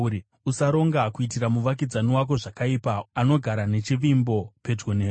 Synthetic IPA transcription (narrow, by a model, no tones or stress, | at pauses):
i | usaɾo̞ŋɡakuit̬iɾamuʋak̬id͡zaniwak̬o̞ʐakaipaːno̞ɡʱaɾane̞t͡ʃiʋimbo̞pe̞d͡ʒɡoneː